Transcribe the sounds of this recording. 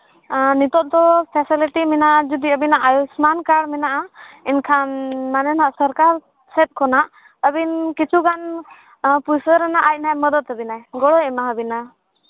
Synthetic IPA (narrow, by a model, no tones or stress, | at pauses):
nit̪ɔʔ̚d̪ɔpʰɛsiliʈimɛnaʔd͡ʒud̪iəbinaʔajusmankaɽmɛnaʔainkʰanmanɛnaʔsəɾkaɾ | sɛt̪̚kʰɔnaʔ | əbinkit͡ʃʰuɡan | pujsəɾɛnaʔaj̚najməd̪ət̪ɦəbinaɛɡɔɽɔɛmaɦəbina